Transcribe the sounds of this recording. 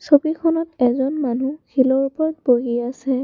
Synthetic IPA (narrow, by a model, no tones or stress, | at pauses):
sobikʰɔnɔtɛzɔnmanukʰilɔɹupɔɹt̚boɦiasɛ